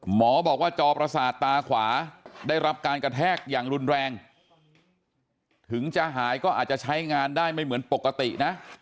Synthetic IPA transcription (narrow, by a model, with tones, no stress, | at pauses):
mɔː˩˦bɔː˨˩k̚waː˥˩t͡ɕɔː˧pɾa˧saː˨˩t̪ːaː˧kʰwaː˩˦daː˥˩jɾa˦˥p̚kaː˧nkɾa˧t̪ʰɛː˥˩k̚jaː˨˩ŋɾu˧nɾɛː˧ŋ | t̪ʰɯ˩˦ŋt͡ɕaː˧ɦaː˩˦jkɔː˥˩ʔaː˨˩t̪̚t͡ɕa˨˩t͡ɕʰa˦˥jŋaː˧ndaː˥˩jma˥˩jmɯ˩˦ənpo˨˩kːa˧t̪i˨˩ʔna˦˥